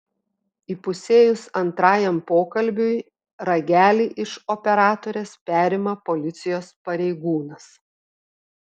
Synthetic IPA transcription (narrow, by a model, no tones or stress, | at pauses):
iːpʊsʲeːjʊsɐnt̪ɾɑːjɛmpoːkɐlʲbʲʊj | ɾɐɡʲæːlʲiːʔɪʃɔpʲɛɾɑːt̪oːɾʲeːspʲæːɾʲɪmɐpɔlʲɪt̪sʲɪjoːspɐɾʲɛɪɡuːnɐs